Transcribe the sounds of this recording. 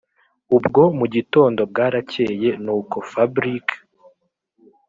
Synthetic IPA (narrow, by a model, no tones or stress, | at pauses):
ubɡo̞muɟito̞ːndo̞b̚ɡaːɾaceje̞nuːko̞fabɾikʰḁ